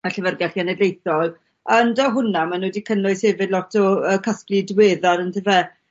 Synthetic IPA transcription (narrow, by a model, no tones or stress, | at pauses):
aɬəvərɡaɬianɛdlejθɔlˠ | andɔɦʊnamanuːdikʰənʊɨsheːvɪdlɔtʰɔəkʰasplidweːðaɾəntʰevɛ